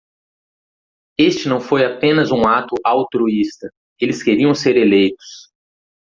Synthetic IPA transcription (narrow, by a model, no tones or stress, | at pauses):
est͡ʃɪnɐ̃w̃fojapẽnɐzũat̪ʊʔawt̪ɾuist̪ɐ | elɪskeɾiɐ̃w̃seɾelejt̪ʊ̥s